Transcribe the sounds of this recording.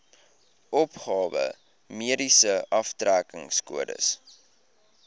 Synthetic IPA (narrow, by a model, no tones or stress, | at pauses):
ʔɔpχɑːvə̰ | miədisəʔɐftrækəŋskuədə̰s